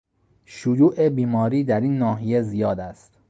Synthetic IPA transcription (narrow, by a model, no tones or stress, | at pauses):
ʃojuːʔebiːmɒːɾiːd̪æɾiːnːɒːɦijezijɒːd̪æst̪